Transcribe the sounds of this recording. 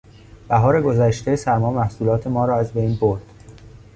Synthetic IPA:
b̥æɦɒːɾe̞ɡo̞zæʃt̪e̞sæɾmɒːmæhsuːlɒːt̪ʰe̞mɒːɾɒːæzbejnboɾd̪̥

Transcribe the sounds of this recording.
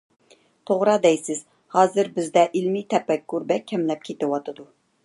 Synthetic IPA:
t̪ʰoʁɾɑd̪ɛjsɪz̥ | hɑːzɪɾbɪzd̪ɛʔilmit̪ʰɛpɛkːuɾbɛkʲʰːɛmlɛp̚kʲʰet̪ɪwɑt̪ʰɨd̪u

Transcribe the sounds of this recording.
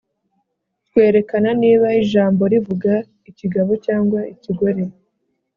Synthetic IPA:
t̪̚we̞ːɾe̞kananiːβaiʒaːmbo̞ɾivuɡa | iciɡaβo̞caːŋɡwaiciɡo̞ɾe̞

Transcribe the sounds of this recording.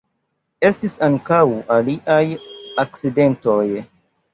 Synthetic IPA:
e̞stisaŋkawʔaliʔajak̚t͡side̞ntoj

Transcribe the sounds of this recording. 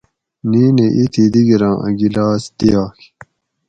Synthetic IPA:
niːneʔit̪ʰid̪iɡiɾɑ̃ːʔɐ̰̃ɡilaːsd̪ijaːk

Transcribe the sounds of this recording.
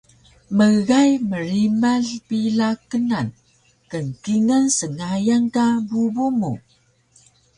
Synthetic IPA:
məɣajməɾimaɬpiɮakənan | kənkiŋənsəŋajaŋkabubumu

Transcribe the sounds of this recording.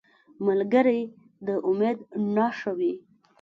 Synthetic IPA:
malɡəɾej | d̪əʔʊmed̪nɑʃəwi

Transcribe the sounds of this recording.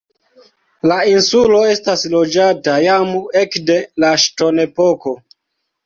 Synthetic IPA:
lainsulo̞e̞staslo̞d͡ʒatajamue̞kde̞laʃto̞nepo̞ko̞

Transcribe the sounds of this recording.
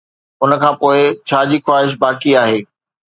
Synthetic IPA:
ʊnəkʰãːpoːɪt͡ɕʰaːd͡ʑiːxwaːɦɪʃ̬baːkiaːɦeː

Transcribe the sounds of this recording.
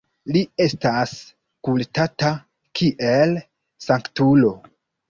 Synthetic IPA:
lie̞stas | kultata | kʰiʔe̞l | saŋktulo̞

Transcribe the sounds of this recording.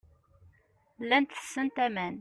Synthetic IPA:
lːænt̪θə̥sːənt̪æmæn

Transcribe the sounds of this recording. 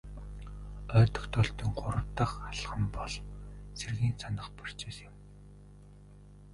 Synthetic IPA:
œːt̪ɞ̆kt̪ʰɔɮt̪iːŋɢʊɾə̆wt̪ə̆χaɮʁə̆mpɔɮserɣiːnsʰanə̆χpḁr̥t͡ɕeːsɪ̆m

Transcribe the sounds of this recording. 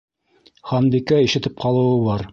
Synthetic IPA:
χɑmbikæiʃɘ̆t̪ɘp̚qɑlˠɤ̆wɤβɑɾ

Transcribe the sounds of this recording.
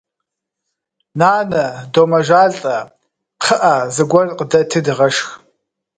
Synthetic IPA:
naːnɐdoːmɐʒaːɮtʼɐ | qʰəʔazɨɡʷɐrqədɐtʰɨdɨʁɐʃx

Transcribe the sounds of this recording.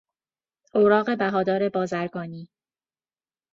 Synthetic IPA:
ʔoɾɒːɣe̞bæɦɒːd̪ɒːɾe̞bɒːzæɾɡɒːniː

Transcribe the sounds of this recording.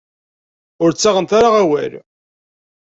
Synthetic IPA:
ʊɾt͡sːaʁənt̪aɾaʁæwæ̰l

